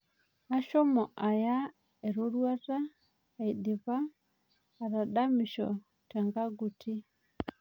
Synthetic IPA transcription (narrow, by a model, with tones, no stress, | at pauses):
a˦ʃɔ˦mɔ˨ʔa˨ja˦ | ɛ˨ɾo˦ɾwa˦ta˦˨ | i˨ɗi˨βaː˦˨ | ɾa˨ɗa˦mi˨ʃɔ˨ | tɛ˨ŋɡa˦ɡu˨tʰi˦